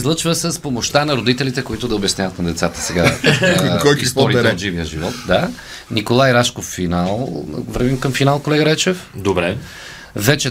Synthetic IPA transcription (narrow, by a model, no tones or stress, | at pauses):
zlˠət͡ʃvəsəspomoʃt̪anɐɾod̪it̪ɛlit̪ɛkoit̪ʊd̪ɐobɐsnjavɐt̪nɐd̪ɛt̪sat̪ə̥sɛɡa | kɔist̪ɔɾit̪ɛd̪d͡ʒiviəʒivɔt̪d̪a | nikolˠajɾaʃkofːinalˠvɾvimkɐmfinalˠkolɛɡəɾɛt͡ʃɛfd̪obɾɛ | vɛt͡ʃɛ